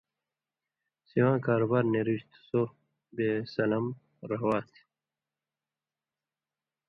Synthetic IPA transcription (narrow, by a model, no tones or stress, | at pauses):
siwãːkaːɾobaːɾneɾiɕt̪soɾ | besɐlɐm | ɾɐɦwaːt̪ʰ